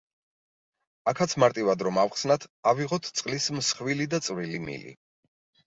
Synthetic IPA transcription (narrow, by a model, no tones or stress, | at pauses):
akʰat̪sʰmaɾt̪ʼivad̪ɾɔmafχsnat̪ʰaviʁɔt̪ʰt̪sʼqʼlismsχvilid̪at̪sʼvɾilimḭlḭ